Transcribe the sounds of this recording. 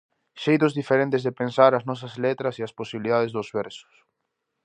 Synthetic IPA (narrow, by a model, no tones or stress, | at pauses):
ʃejt̪̬ʊzðifeɾẽnt̪ɪzðepensaɾɐznɔs̬ɐzlet̪ɾɐsɪɐsposiβiliðaðezðʊzβɛɾsʊ̥s